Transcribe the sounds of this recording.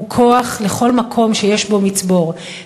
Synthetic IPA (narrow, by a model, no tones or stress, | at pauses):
kʰo̞aχleχo̞lmakʰo̞mʃe̞jeʃbo̞mit͡sbo̞ʁ